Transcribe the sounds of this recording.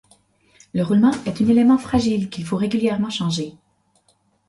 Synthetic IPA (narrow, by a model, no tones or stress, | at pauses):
ləʁulmɑ̃ɛt̪ɛ̃nelemɑ̃fχaʒilkʲilfoʁeɡʲyljɛʁmɑ̃ʃɑ̃ʒe